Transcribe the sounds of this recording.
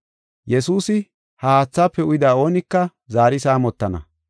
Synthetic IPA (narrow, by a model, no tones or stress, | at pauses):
jɛsuːsɪ | haːt͡sːaːpːɛʊjɪd̪aːo̞ːnɪkːɐ | zaːɾɪsaːmɔt̪ːɐnɐ̰